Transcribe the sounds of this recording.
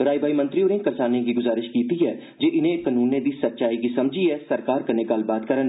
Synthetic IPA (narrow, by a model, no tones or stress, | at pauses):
ɾaːibʱaːimə̃nt̪ɾiʊɾẽːkəɾsaːneɡiːɡʊzaːɾɪʃkiːt̪iɛː | d͡ʒeːʔɪnẽkənuːnẽd̪iːsət̪ːʃaːiɡiːsɐmd͡ʒʱiɛːsəɾkaːɾkəɾnẽɡəlbaːt̪̚kəɾən